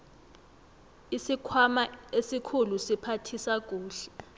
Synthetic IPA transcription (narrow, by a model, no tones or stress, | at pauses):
isikʰamaesikʰulusipʰatʰisak̬ʼuːɬɛ̥